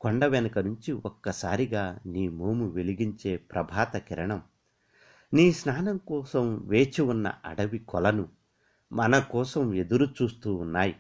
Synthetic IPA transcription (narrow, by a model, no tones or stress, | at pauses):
koɳɖɐʋɛnɐkɐnuɲt͡ʃiʔɔkːɐsaːɾiɡaːniːmoːmuʋeliɡiɲt͡ʃe̞ːpɾɐbʱaːt̪ɐkiɾɐɳɐm | niːsnaːnɐmkɔːsɐmʋe̞ːt͡ʃiunːɐ̰ɐ̰ɽɐʋikɔlɐnu | mɐnɐkɔːsɐme̞d̪uɾut͡ʃuːst̪uːunːaːji